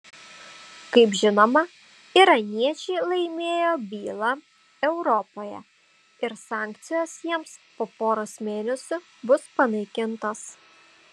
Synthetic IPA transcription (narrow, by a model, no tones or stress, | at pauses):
kɐɪpʒʲɪnoːmɐ | iɾɐnʲiɛt͡ʃʲɛɪlˠɐɪmʲeːjoːbʲiːlˠɑ | ɛʊɾɔpoːjɛ̰ | ɪɾsɑːˑŋʲk̚t̪sʲɪjoːsjiɛmspoːpoːɾosmʲeːnʲɛsʲʊ | bʊspɐnɐɪkʲɪnt̪os